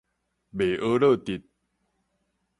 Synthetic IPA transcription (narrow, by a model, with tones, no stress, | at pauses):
be˨˩ʔə˧˦lɤ˥˧˨t̪i˨˩t̪̚